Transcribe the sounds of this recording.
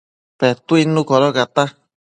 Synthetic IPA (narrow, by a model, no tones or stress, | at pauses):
pɛt̪uinukɔɾɔkat̪a